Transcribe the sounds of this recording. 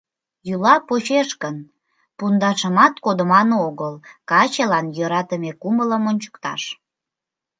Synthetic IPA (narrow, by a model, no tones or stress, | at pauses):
julɑpot͡ɕeʃkən | pund̪ɑʃəmɑt̪kod̪ə̆mɑnoɣəlkɑt͡ɕelɑnjøɾɑt̪əmekumələmonʲt͡ɕə̥̆kt̪ɑ̰ʃ